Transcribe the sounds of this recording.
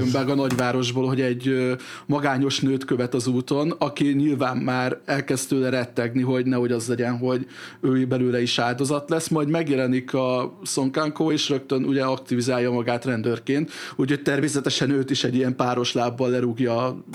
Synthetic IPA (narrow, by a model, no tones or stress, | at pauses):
ømbɛɡɒnɒɟʋaːɾo̞ʒboːlɦo̞ɟɛɟømɒɡaːɲo̞ʃnøːt̪køvɛt̪ɒzuːt̪o̞nɒkiɲilvaːmːaːɾɛlkɛst̪øːlɛɾɛt̪ːɛɡniɦo̞ɟnɛɦo̞ɟɒzlɛɟɛnɦo̞ɟøːibɛløːlɛiʃaːld̪o̞zɒt̪lɛsmɒjd̪mɛɡjɛlɛnikɒso̞ŋkaŋkoːeːʃrø̞k̚t̪ønuɟɛɒkt̪ivizaːljɒmɒɡaːt̪rɛnd̪ørkeːnt̪ucho̞c̚t̪ɛrmeːsɛt̪ɛʃɛnøːt̪iʃɛɟːiɛmpaːɾo̞ʃlaːbːɒlːɛɾuɡjɒ